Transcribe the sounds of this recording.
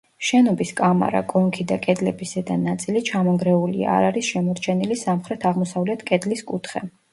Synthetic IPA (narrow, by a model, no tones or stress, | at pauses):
ʃɛnɔbiskʼama̰ɾa̰kʼɔŋkʰid̪akʼɛd̪lɛbisɛd̪anat̪sʼilit͡ʃʰamɔŋɡɾɛulia̰ːɾaɾisʃɛmɔɾt͡ʃʰɛnilisamχɾɛt̪ʰaʁmɔsavlɛt̪ʰkʼɛd̪liskʼut̪ʰχɛ